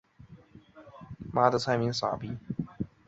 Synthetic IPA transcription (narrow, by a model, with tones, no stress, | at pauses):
ma˥d̪ə˨t͡sʰa˥ɪmi˧˥ŋsa̰˨˩pi˧˥